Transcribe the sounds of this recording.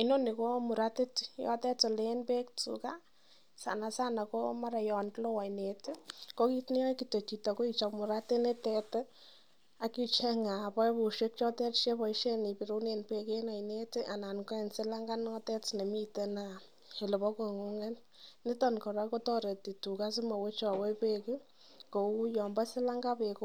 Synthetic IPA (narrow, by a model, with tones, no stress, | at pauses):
ɪ˦no˦nɪ˨ko˦mu˨ɾa˦tɪ˦tjɔ̰˦tɛ˦tɔ˨lenpe˦k̚t͡sṵka˦ | sa̰˨na˨sa˦na˨ko˦ma˦ɾa˨jɔ˨ntlɔ˦wa˨ine˨tɪ˦ko˦ki˦tni˦jɔ˦jki˨to˨t͡ʃi˨tɔ˨ko˦i˦t͡ʃɔ˨kmu˨ɾa˦tɪ˦ne˦tɛ˧t | a˨ki˦t͡ʃɛ˦ŋa˨pɔ˦jpu˨ʃe˦k̚t͡ʃɔ˦tɛ˦rʃe˦pɔ˨iʃe˦ni˨pi˨ɾu˦ne˨npe˨ke˦na˨jne˦tɪ˦ʔa˨na˨nkɔ˦ɛ˨nsɪ˦la˦ŋɡa˦nɔ˦tɛ˦tne˨mi˦te˦na˨ | e˨le˨pɔ˦ko˨ŋu˦ŋe˦n | nɪ˦tɔ˦nkɔ˨ɾa˦ko˦tɔ˦ɾe˨ti˨tu˨ka˦sɪ˦ma˨we˦t͡ʃɔ˨we˦pekɪ˦ | ko˨u˦jɔ˨mba˦sɪ˦la˦ŋɡa˦peko